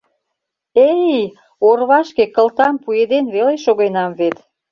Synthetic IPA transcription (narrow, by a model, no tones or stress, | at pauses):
ejj | orβɑʃkekəlt̪ɑmpued̪enβeleʃoɣenɑmβet̪